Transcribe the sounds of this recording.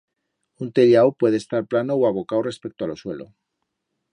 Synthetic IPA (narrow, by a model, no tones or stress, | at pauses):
unt̪e̞ljawpwe̞ð̞est̪aɾplanowaβo̞kawre̞spek̚t̪oalo̞swe̞lo̰